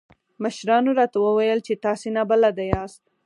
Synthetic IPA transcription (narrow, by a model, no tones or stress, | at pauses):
məʃɾɑnoɾɑt̪awəwajəlt͡ʃet̪ɑsenabəlad̪ajɑst̪̚